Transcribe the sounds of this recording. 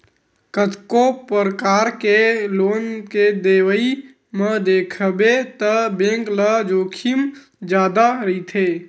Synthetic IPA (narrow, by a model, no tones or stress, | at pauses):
kət̪kopəɾəkaːɾkeloːnked̪eːwəi | mə̃d̪eːkʰbet̪əbẽːŋkləd͡ʒoːkʰim | d͡ʒjaːd̪aɾəit̪ʰeː